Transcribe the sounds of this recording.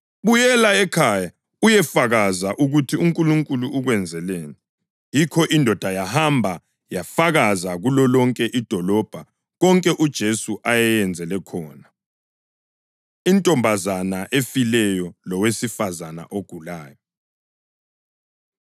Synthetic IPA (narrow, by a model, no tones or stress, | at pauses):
βujɛlaɛkʰaja | ujɛfaɣazaʔuɣutʰiuŋkʼuluŋkʼuluuɣwɛnd͡zʱɛleːni | jikʰɔʔindʱɔd̥ʱajahambʱa | jafaɣazaɣulɔlɔŋkʼɛʔid̥ʱɔlɔb̥ʱa | ɣɔŋkʼɛʔud̥ʒ̥ʱesuʔajɛjɛnd͡zʱɛlɛkʰɔːna | intʼɔmbʱazanaʔefilɛjɔlɔwesifazana̰ʔoɡ̥ʱulaːjɔ